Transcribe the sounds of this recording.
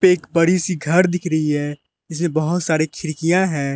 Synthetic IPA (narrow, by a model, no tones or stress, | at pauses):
peːkbɐɽisiɡʱɐɾd̪ɪkʰɾɐɦiɦɛː | ɪs̬mẽbɐɦʊt̪saːɾikʰɪɾkijãɦɛ̃ː